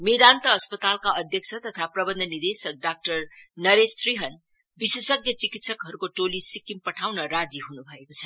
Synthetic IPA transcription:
med̪ant̪ʌːspʌt̪alkaʌd̪ʱjʌk̚t͡sʰʌt̪ʌt̪ʰaprʌbʌnd̪ʱʌnid̪esʌk̚ɖak̚ʈʌrnʌɾest̪riɦʌn | bisesʌɡjʌt͡sikit̪sʌkɦʌɾukoʈolisikimpʌʈʰawnʌɾad͡ziɦunubʱʌekot͡sʰʌ̥

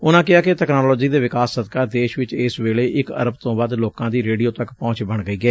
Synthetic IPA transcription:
ʊnãːkɪaːkɪt̪ɛːknaːlɔːd͡ʒiːd̪eːʋɪkaːsːəd̪kaːd̪eːʃʋɪt͡ʃɪːsʋeːleːʔɪkə̰ɾəbt̪õːbaːd̪loːkãːd̪iːɾeːɖijoːt̪əkpɔ̃ːt͡ʃbəɳɡəiːɡɛː

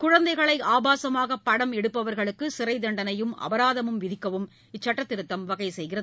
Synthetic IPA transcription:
kʊɻɐnd̪ɐɪɣɐɭɐɪaːbaːsɐmaːɣɐpːɐɽɐmɛɽɯpːɐʋɐɾɣɐɭɯkːɯsɪɾɐɪd̪ɐɳɖɐnɐjɯmɐ̰ʋɐɾaːðɐmɯmʋɪðɪkːɐʋɯm | ɪt͡ʃːɐʈːɐt̪ːɪɾɯt̪ːɐmʋɐɣɐɪsɛjɣɪrɐð

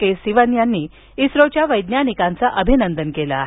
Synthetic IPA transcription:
kesiʋənjanːiː | isɾot͡ɕjaʋəjd̪njanikant͡saʔəbʱinənd̪ənkela̰

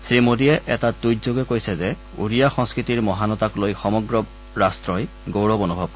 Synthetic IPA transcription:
sɹimodiɛʔɛtatujzoɡɛkoɹjsɛzɛ | ṵɹijaxɔ̃ŋskɹitiɹmɔɦanɔtaklojxɔmɔɡɹɔb | ɹastɹɔj | ɡowɹɔbonubʱɔb̚

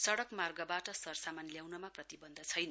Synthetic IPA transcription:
sʌɽʌkmarɡʌbaʈʌsʌrsamanljawnʌmaprʌt̪ibʌnd̪ʱʌt͡sʰʌjnʌ

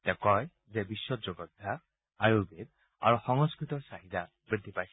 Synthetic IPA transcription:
t̪ekɔj | zebiswɔd͡ʒɔɡɔd̪ʱa | ajubed̪̚ | a̰ɾuhɔŋɔskɾit̪ɔɾsaɦit̪a | bɾid̪ʱipajs

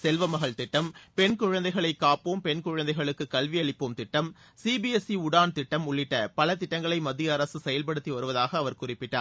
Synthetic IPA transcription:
sɛlʋɐmɐɣɐɭt̪ɪʈːɐmpɛnkʊɻɐnd̪ɐɪɣɐɭɐɪkːaːpoːmpɛnkʊɻɐnd̪ɐɪɣɐɭɯkːɯkːɐlʋɪjɐɭɪpːɯmt̪ɪʈːɐm | siːbiɛsiʊɽaːnt̪ɪʈːɐmʊɭːɪʈːɐpɐlɐt̪ɪʈːɐŋɡɐɭɐɪmɐðɪjɐːɾɐsɯsɛjɐlpɐɽɯt̪ːiʋɐɾɯʋɐðaːɣɐːʋɐɾkʊrɪpːɪʈːa̰ːɾ

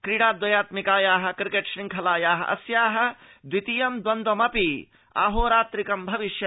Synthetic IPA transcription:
kɾiɽaːd̪wɐjaːt̪mikaːjaːɦɐ̆kɾkeʈʃɾĩŋkʰɐlaːjaːɦɐ̰ʔɐ̰sjaːɦɐ̆ | d̪wit̪ijɐmd̪wɐnd̪ɐmɐpi | a̰ːɦoːɾaːt̪ɾikɐmbʱɐʋiʃjɐ

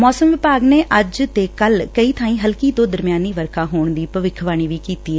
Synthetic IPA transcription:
mɔːsəmʋɪpaːɡneːʔəd͡ʒt̪eːkəlkəiːt̪ʰãːĩːɦəlkiːt̪õːd̪əɾmɪjaːniːʋəɾkʰaːɦoːɳd̪iːpəʋɪkʰʋaːɽ̃iːʋiːkiːt̪iːɛː

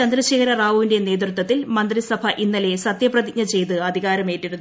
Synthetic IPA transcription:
t͡ɕɐnd̪ɾɐɕiːɣɐɾɐraːʋʋinde̞neːd̪rɨt̪ːwɐt̪ːilmɐnd̪risɐbʱɐʔinːɐle̞sɐt̪jɐprɐd̪ik̚ɲɐt͡ɕe̞jt̪ɨɐd̪ʱiɣaːɾɐme̞ːʈːiɾunː

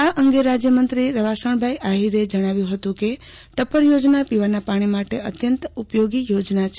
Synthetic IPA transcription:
aʔəŋɡeɾad͡ʒjəmənt̪ɾiɾəʋasəɳ̃bʱajʔaɦiɾed͡ʒəɽ̃aʋjũɦət̪ũke | ʈəpəɾjod͡ʒnapiʋanapaɽ̃imaʈeət̪jənt̪upjoɡijod͡ʒnat͡ʃʰ

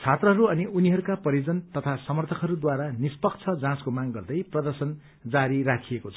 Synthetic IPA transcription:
t͡sʰat̪rʌɦʌɾuʌniʔuniɦʌɾukapʌɾid͡zʌnt̪ʌt̪ʰasʌmʌrt̪ʰʌkɦʌɾud̪waɾanispʌkt͡sʰʌd͡zãskomaɡɡʌrd̪ʌjprʌd̪ʌrsʌn | d͡zaɾiɾakʰijekot͡sʰʌ

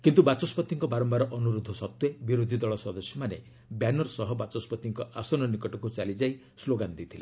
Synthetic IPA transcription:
kint̪ubat͡ʃɔspɔt̪iŋkɔbaɾɔmbaɾɔʔɔnuɾud̪ʱːɔsɔt̪webiɾod̪ʱid̪ɔɭɔsɔd̪ɔsjɔmanḛ | bjanɔɾsɔɦɔbat͡ʃɔspɔt̪iŋkɔʔasɔnɔnikɔʈɔkut͡ʃalid͡ʒaj | sloɡand̪it̪ʰile

